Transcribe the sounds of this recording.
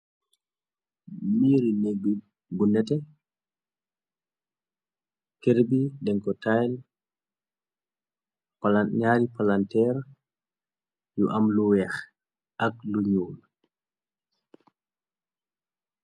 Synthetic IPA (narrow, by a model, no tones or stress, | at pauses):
miːɾinɛɡ | ɡunɛtɛ | kɛɾbidɛŋkɔtajl | palaɲaːɾipalantɛɾ | juʔamluwɛːx | akluɲuːl